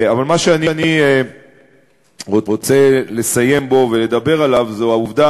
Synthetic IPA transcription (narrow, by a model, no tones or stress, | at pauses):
avalmaʃeanianie | ʁoot͡se̞le̞saje̞mbo̞ve̞le̞d̪abe̞ʁalavzoauvd̪a